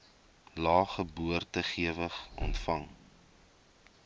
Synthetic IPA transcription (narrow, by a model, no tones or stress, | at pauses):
lɑːχəbuərtəχiəvəχɔ̰ntfɐŋ